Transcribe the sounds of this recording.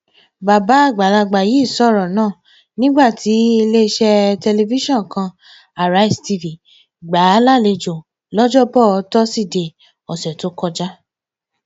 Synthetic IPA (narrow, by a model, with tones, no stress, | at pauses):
ba˨ba˨˦a˦˨ɡ͡ba˨la˧ɡ͡ba˨ji˨˦˨sɔ˦˨ɾɔ˨nãː˦˨ | nĩ˦ɡ͡ba˦˨tʰi˨˦e˧le˦˧˦ʃɛ˧tɛ˧le˧vi˦ʃɔ̃˦˨kã˧ | a˨ɾa˨˦i˦˨sti˧vi˨ | ɡ͡ba˨˦la˦˨le˧d͡ʒo˨ | lɔ˦d͡ʒɔ˦bɔ˦˨ɔ˧˦tɔ˦si˦˨de˧ | ɔ˨sɛ˨to˨˦kɔ˦˧d͡ʒa˦